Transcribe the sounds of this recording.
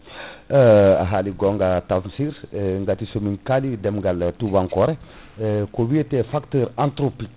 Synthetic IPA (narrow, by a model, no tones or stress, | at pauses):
a̰ɦaliɡoŋɡatamsiɾŋɡatisomiŋkalidemɡaltubaŋkoɾe | kobietefaktəːɾantɾopik